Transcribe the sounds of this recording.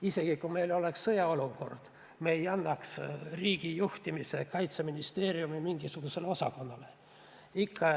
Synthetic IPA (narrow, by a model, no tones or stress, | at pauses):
ise̞ɡ̥ikume̞jlo̞le̞ksːɤjɑo̞luko̞̰rd̪̥ | meːjɑnːɑksriːɡ̥ijuht̪imise̞kɑjt̪seminist̪e̞ːɾiumimiŋɡ̥isuɡ̥use̞leo̞sɑ̰ko̞nːɑle̞ | ikʰːɑ